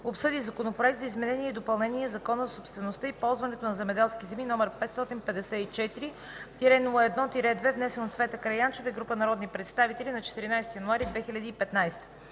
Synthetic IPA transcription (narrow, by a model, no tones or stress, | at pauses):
opsɤd̪izɐkonopɾoɛk̚t̪zɐizmɛnɛniɛid̪opɐlˠnɛniɛzɐkɔnəzɐsopst̪vɛnost̪əipɔlˠzvɐnɛt̪onɐzɛmɛd̪ɛlˠskʲizɛminɔmɛɾpɛt̪st̪ɔt̪inpɛd̪ɛsɛit͡ʃɛt̪iɾi | t̪iɾɛnulˠɛd̪nɔt̪iɾɛd̪vɛvnɛsɛnot̪svɛt̪əkɾɐjant͡ʃɛvəɡɾupənɐɾɔd̪nipɾɛt̪st̪avit̪ɛlʲinɐt͡ʃɛ̥t̪iɾinajst̪ijɐnuaɾid̪vɛxilʲɐd̪iːpɛt̪najst̪ə̥